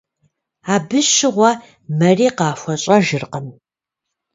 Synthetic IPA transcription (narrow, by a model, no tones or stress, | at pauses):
aːbɨʃɪʁʷɐ | mɐriːqɑːfʷɔɕʼɐʒɨrqəm